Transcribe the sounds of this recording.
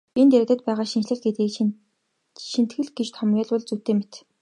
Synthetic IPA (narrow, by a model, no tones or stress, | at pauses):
int̪eɾ̆t̪ə̆t̪̚pæːʁaːʃinʃɮɘ̆ɮɡet̪iː | ʃin̥t̪xɘ̆ɮɡet͡ɕt̪ʰɔmjʊːɮwʊɮt͡sut̪eːmet̪